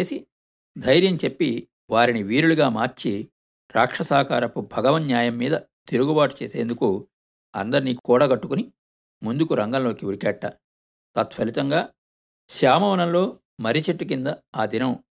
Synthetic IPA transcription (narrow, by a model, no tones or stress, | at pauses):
eːsi | d̪ʱɐjɾjɐmt͡ʃe̞pːi | ʋaːɾiniʋiːɾuluɡaːmaːɾt͡ʃi | ɾaːkʂɐsaːkaːɾɐpubʱɐɡɐʋɐnjaːjɐmːiːd̪ɐt̪iɾuɡubaːʈu̥t͡ʃeːse̞ːnd̪uku | ɐ̰nd̪ɐɾniːkuːɽaɡɐʈːukuni | mund̪ukuɾɐŋɡɐnlo̞ːkiuɾikɛːʈːa | t̪ɐt̪ʋɐlit̪ɐŋɡaː | ʃaːmɐʋɐnɐmlo̞ː | mɐɾit͡ʃeʈːukind̪ɐaːd̪inɐm